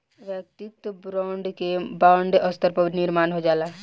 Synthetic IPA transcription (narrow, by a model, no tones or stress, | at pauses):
ʋjək̚t̪ɪt̪bɾaːɳɖkebaːɳɖəst̪ʰəɾpəɾnɪɾmaːnɦod͡ʒaːlaː